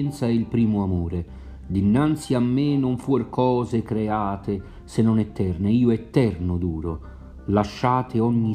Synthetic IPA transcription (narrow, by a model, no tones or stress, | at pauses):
ɛnt̪saɛilpɾiːmʊamuːɾe | d̪inːant̪siamːenʊɱfurkʰɔːzekɾeaːt̪ɪ | senːɔnɛt̪ːɛrneiːʊɛt̪ːɛrnʊd̪uːɾo | laʃːaːt̪ɪɔɲːi